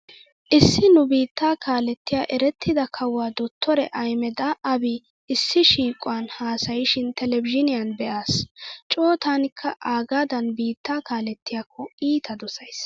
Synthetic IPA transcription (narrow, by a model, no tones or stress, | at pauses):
ʔɪsːɪnʊbiːt̪ʰːaːkaːlɛt̪ːɪjaːʔɛɾɛt̪ʰːɪd̪ɐkʰɐwːaːd̪ɔt̪ʰːɔɾɛʔɐjmɛd̪ɐʔɐbɪ | ɪsːɪʃiːkʼʊwanhaːsɐjɪʃɪnt̪ɛlɛbɪʒɪnɪjɐnbɛʔaːst͡ʃʼoːt̪anɪkʰːɐʔaːɡaːd̪ɐnbiːt̪ːaːkaːlɛt̪ʰːɪjaːkʰːɔiːt̪ʰɐd̪ɔsɐjs